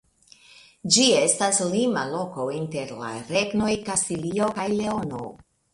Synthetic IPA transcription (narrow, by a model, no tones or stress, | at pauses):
d͡ʒie̞staslimalo̞ko̞inte̞ɾla̰ɾe̞ɡno̞jkastilio̞kajleono̰